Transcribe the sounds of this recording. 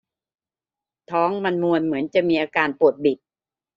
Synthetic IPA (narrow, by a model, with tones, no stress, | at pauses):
t̪ʰɔː˦˥ŋma˧nmu˧ənmɯ˩˦ənt͡ɕa˨˩ʔmiː˧ʔaː˧kaː˧npu˨˩ət̪̚bi˨˩t̪̚